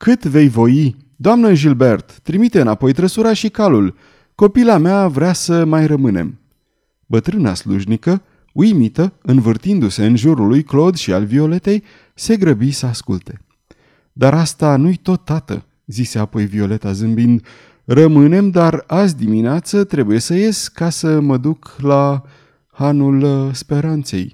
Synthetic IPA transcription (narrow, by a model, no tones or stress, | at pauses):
kɨt̪ve̞jvo̞ji | d̪oamnəʒilbe̞rt̪ːɾimit̪e̞ɨnapo̞jt̪ɾəsuɾaʃikalul | ko̞pilameavɾeasəmajrəmɨne̞̰m | bət̪ɾɨna̰slṵʒnikə | ujmit̪əɨnvɨrt̪ind̪use̞ɨnʒuɾulujklo̞d̪ʃialvio̞le̞t̪e̞j | se̞ɡɾəbisəaskṵlt̪e̞ | d̪aɾast̪anujt̪o̞t̪ːat̪ə̰ | zise̞apo̞jvio̞le̞t̪azɨmbind̪ | rəmɨne̞md̪aɾazʲd̪imineat̪sət̪ɾe̞buje̞səje̞skasəməd̪ukla | hanulspe̞ɾant̪se̞̰j